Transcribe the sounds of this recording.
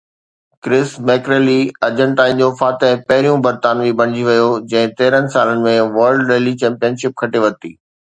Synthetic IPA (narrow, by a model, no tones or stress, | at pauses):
kɾɪsmɛːkɾeːliɐd͡ʑə̃ɳʈaːɪ̃nd͡ʑofaːt̪ẽpɐɦɪɾijũbɐɾt̪aːnʋibʱɐɽ̃ɪd͡ʑiʋɐjod͡ʑɐ̃ɦɪ̃t̪eːɾənɪ̆saːlənɪ̆mẽʋɐɾɖɾeːlit͡ɕɛ̃ːmpijənʃɪp̚kʰɐʈeʋɐt̪iː